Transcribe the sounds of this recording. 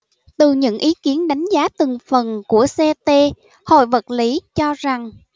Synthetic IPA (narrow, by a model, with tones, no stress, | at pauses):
t̪ɨ˨˩ɲɨ̰˧˥ŋʔi˨˦ki˨˦ənɗa˨˦jŋ̟zaː˨˦t̪ɨ˨˩ŋfə˨˩nku˧˩əsɛ˧t̪e˧ | ho̰˧˨jvə˨˩t̚li˨˦t͡ɕɔ˧za˨˩ŋ